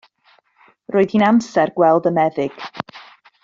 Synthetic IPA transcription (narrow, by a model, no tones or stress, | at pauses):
rʔoːɨðinamsɛrɡwɛlˠdəmɛðɪɡ̥